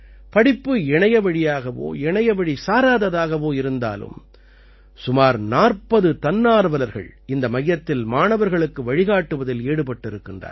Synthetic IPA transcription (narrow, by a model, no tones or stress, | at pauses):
pɐɽɪpːɯɛɳɐjɐʋɐɻɪjaːɣɐʋo̰ːɛɳɐjɐʋɐɻisaːɾaːðɐðaːɣɐʋoːɪɾɯnd̪a̰ːlɯ̰m | sʊmaːɾnaːrpɐðɯt̪ɐnːaːɾɯʋɐlɐɾɣɐ̰ɭɪnd̪ɐmɐjːɐt̪ːɪlmaːɳɐʋɐɾɣɐɭɯkːɯʋɐɻɪɣaːʈːɯʋɐðɪleːɽɯpɐʈːɪɾɯkːɪndrɐ̰ːɾ